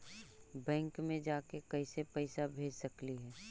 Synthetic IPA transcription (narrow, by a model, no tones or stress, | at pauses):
bɛ̃ːŋkmẽd͡ʒaːkekɐɪsepɛɪsabʱeːd͡ʒsɐkliɦɛː